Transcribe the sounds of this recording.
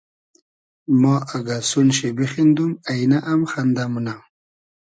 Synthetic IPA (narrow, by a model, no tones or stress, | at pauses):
mɑaɡasunɕebexind̪umajnaʔamxand̪amuna